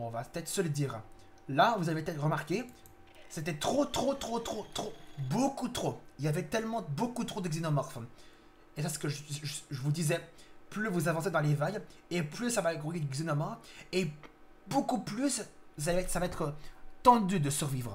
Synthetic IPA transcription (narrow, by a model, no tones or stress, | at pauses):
ɔ̃vapə̥t̪ɛt̪χəsələd̪iːʁ | lavuzavepət̪ɛt̪χʁəmaʁkʲe | set̪ɛt̪χot̪χot̪χot̪χot̪χobokut̪χoiljavɛt̪ɛlmɑ̃bokut̪χod̪əɡzinɔmɔʁf | esasə̥kəʒʒəvud̪izɛplyvuzavɑ̃sed̪ɑ̃levajeplysavaɡʁujed̪ɡzinɔmɔe | bokuplyss̬alɛɛsavaɛt̪χət̪ɑ̃d̪yd̪əsyʁvivʁə